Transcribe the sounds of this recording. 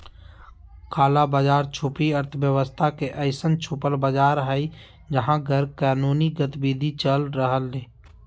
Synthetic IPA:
kaːlabaːd͡ʒaːɾt͡ʃʰupiəɾt̪ʰəbjəwəst̪ʰakeʔəɪsənt͡ʃʰupəlbəd͡ʒaːɾɦəi | d͡ʒəɦãɡʱəɾkaːnuːniɡət̪biːd̪ʱit͡ʃəlɾəɦəlːeː

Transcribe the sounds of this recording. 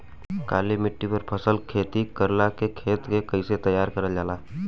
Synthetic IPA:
ka̰ːlimɪʈːipəɾpʰəsəlkʰeːt̪ikəɾlakekʰeːt̪kekəɪset̪əjːaɾkəɾəld͡ʒaːla

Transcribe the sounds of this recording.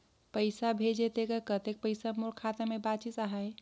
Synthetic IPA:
pəɪsabʱed͡ʒet̪ekəkət̪ek̚pəɪsamolkʰat̪amebat͡ʃit̪aɦae

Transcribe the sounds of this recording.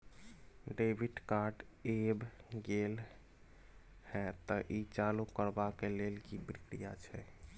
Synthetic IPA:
ɖebʱiʈkaɾɖebɡel | hɛ̃t̪ɔʔit͡ʃalukəɾbakelelkipɾikɾḭjat͡ʃʰɛ

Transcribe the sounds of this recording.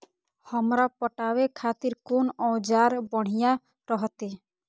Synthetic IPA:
hɔmɾapɔʈawekʰat̪iɾkonɔwd͡ʒaɾbɔɽ̤̃ija | ɾɔɦɔt̪e

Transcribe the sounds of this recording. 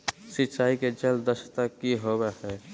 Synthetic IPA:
sɪt͡ʃaːiked͡ʒəld̪əʃt̪akiɦowehɛː

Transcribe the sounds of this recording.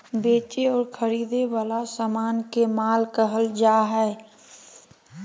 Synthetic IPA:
beːt͡ʃeɔːɾkʰəɾiːd̪ewaːlasaːmaːnkemaːlkəɦəld͡ʒaːɦɛː

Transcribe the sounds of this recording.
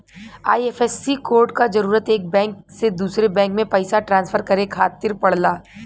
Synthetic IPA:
aːiɛːfɛsːikoːɾɖkazɐɾuːɾət̪eːk̚bɛ̃ːŋk̚sed̪uːsɾebɛ̃ːŋkmẽpɐɪsaʈɾãːnsfʰəɾkɐɾekʰaːt̪ɪɾpɐɽ̤laː

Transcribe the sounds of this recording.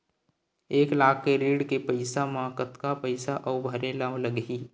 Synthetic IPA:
eːklaːkʰːeɾiːɽkepəɪsamaːkət̪kapəɪsaʔəʊbʱəɾelaːw̃ləɡiː

